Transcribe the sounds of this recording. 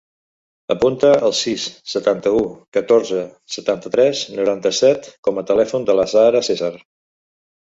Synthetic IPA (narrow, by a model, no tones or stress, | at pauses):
əpunt̪əʔəlˠsisːət̪ant̪əukət̪oɾzə | sət̪ant̪ət̪ɾɛsnuɾant̪əsɛt̪kɔmət̪əlɛfund̪ələsaɾəsezar